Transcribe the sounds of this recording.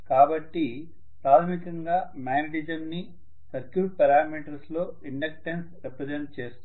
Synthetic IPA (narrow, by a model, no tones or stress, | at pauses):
kaːbɐʈːi | pɾaːt̪ʰɐmikɐŋɡaːmaːjnɐɖid͡ʒɐmni | sɐɾkjuːʈ̚pɐɾaːmiːʈɐɾslo̞ː | iɳɖɐk̚ʈensɾepɾed͡ʒeɳʈ̚t͡ʃe̞ːst̪